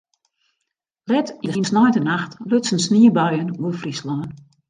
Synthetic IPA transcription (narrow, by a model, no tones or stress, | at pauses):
lɛtiinsnɔjntənaxtløsənsniəbœɥənuəlˠfrislɔn